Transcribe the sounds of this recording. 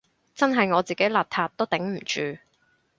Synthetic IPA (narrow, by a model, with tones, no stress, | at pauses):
t͡sɐ˥nɦɐ˨jŋɔː˨˧t͡siː˨ke˨˥jlaː˨p̚t̪ʰaː˧t̚t̪o˥wt̪ɪ˨˥ŋm̩˨˩t͡ʃyː˨